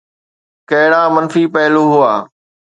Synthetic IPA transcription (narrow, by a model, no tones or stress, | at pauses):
kɐɦɪɽaːmənfiːpəɦɪloːɦʊaː